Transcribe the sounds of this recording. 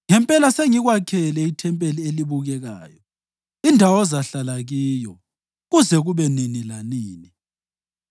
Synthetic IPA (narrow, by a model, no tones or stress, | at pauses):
ŋɛmpʼɛlaseŋiɣwakʰɛlɛitʰɛmpʼelieliβuɣɛɣa̰ːjɔ | indʱawɔzaɬalaɣiːjɔ | ɣuzɛɣuβɛninilaniːni